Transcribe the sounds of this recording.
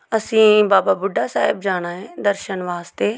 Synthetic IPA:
əsĩːbaːbaːbʊɖːaːsa̰ːɪbd͡ʒaːɽ̃aːɦeːd̪əɾʃənʋaːst̪eː

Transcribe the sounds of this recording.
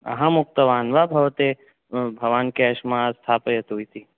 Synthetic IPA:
ɐ̰ɦãmʊk̚t̪əʋaːnʋabʱɐʋt̪e | bʱɐʋaːnkɛːʃmãst̪ʰaːpəjɐt̪uit̪i

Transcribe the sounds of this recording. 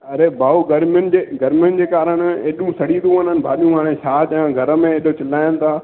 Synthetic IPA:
ɐɾebʱaːuɡɐɾmjʊnɪd͡ʑeːɡɐɾmjʊnɪ̆d͡ʑeːkaːɾəɽ̃eːɗũsɐɽiːɾũɐnənɪ̆bʱa̰ːɗijũɦaːɽ̃ẽʃaːt̪ɐjãɡʱɐɾə̆mẽeːɗot͡ɕɪlaːjənɪ̆t̪ʰaː

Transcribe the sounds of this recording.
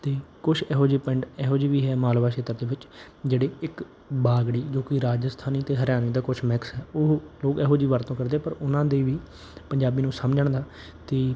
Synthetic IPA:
t̪eːkʊt͡ʃʰɛːɦoːd͡ʒiːpɛɳɖɛːɦoːd͡ʒiːʋiːɦɛːmaːlʋaːʃeːt̪əɾd̪eːʋɪt͡ʃ | d͡ʒeːɽeːɪk | baːɡɽiːd͡ʒoːkɪɾaːd͡ʒəst̪ʰaːniːt̪eːɦəɾjaːniːd̪aːkʊt͡ʃʰmɪksɦɛːoːloːɡɛːɦoːd͡ʒiːʋəɾt̪õːkəɾd̪eːɛːpəɾʊnãːd̪eːʋiː | pəɲd͡ʒaːbiːnũːsəmd͡ʒəɳd̪aː | t̪eː

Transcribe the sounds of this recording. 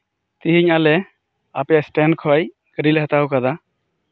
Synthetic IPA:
t̪iɦiɲalɛ | apɛjasʈɛnkʰɔj | kəɾilɛɦat̪awkad̪a

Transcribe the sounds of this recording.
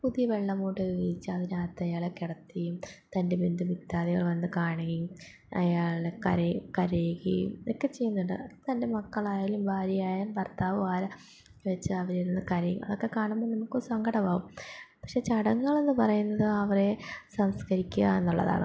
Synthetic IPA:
puðijɐʋe̞ɭːɐmoːʈːɨit͡ɕːɨɐðinaːt̪ːɐjaːɭekːeɽɐt̪ːijumt̪ɐnde̞bind̪ɨmit̪ːaːðiɣɐ̰ɭʋɐnːɨkaːɳɐŋijum | ɐ̰jaːɭekɐɾekɐɾeɣḭjṵmokːe̞t͡ɕe̞jːunːuɳɖɨ̰t̪ɐnde̞mɐkːɐɭaːjaːilumbʱaːɾjijaːjaːlpɐrt̪aːʋɨʋaːlɐ | ʋet͡ɕːɨɐʋɐɾiɾunːɨkɐɾɐjṵmɐ̰ðo̞kːe̞kaːɳumboːɭnɐmukːoɾusɐŋɡɐɽɐmaːʋumpɐkʂe̞t͡ɕɐɽɐŋːɐɭe̞nːɨpɐrɐjunːɐðɨɐʋɐre̞sɐmskɐɾikʲːuɣɐ̰e̞nːuɭːɐ̰ða̰ːɳɨ̰

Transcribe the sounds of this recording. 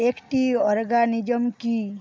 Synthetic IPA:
ekʈiɔɾɡanid͡ʒɔmki

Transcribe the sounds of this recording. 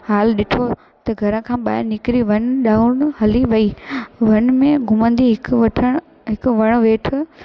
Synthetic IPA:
haːlɗɪʈʰo | t̪ɐɡʱɐɾə̃kʰãːɓa̰ːɪnɪkɾiʋɐnɗaːʊɽ̃ɦɐliʋɐiːʋɐnmẽɡʱʊmə̃nd̪iɦɪkʋɐʈʰəɽ̃ | ɦɪkʋɐɽ̃ʋeːʈʰɪ

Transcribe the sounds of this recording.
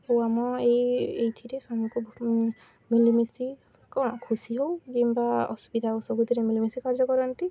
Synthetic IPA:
owamɔejejt̪ʰiɾesamku | milimisi | kɔ̃kʰusiɦowkimbaɔ̰subid̪ʱaosɔbʱud̪ʱiɾemilimisikaɾd͡ʒɔkɔɾɔnt̪i

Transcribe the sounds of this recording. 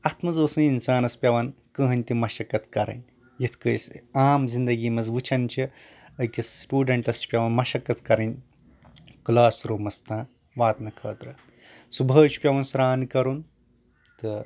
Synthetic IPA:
ɐt̪mɐzoːsɐninsaːnɐspʲjɐʋɐn | kɨɦɐnʲt̪imɐʃɐkɐt̪ʰkɐɾɐ̰nʲ | jit̪ʰkəjsaːmzind̪ɐɡiːmɐzʋɨt͡ʃʰɐnt͡ʃʰi | ɐkʲisʈuːɖɐɳʈɐst͡ʃʰi̥pʲɐʋɐnmɐʃɐkɐt̪kɐɾɐnʲ | klaːsɾoːmɐst̪ãː | ʋaːt̪nɐkʰɐːt̪ɾɐ | subʱɐːt͡ʃi̥pʲɐʋɐnsɾaːnkɐɾun | t̪ɨ

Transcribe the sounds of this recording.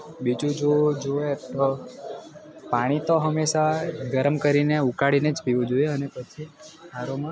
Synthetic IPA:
bid͡ʒũd͡ʒod͡ʒoet̪o | paɽ̃it̪oɦəmːeʃaɡəɾəmkəɾineukaɽined͡ʒpiʋod͡ʒoeənepət͡ʃʰiaɾomã

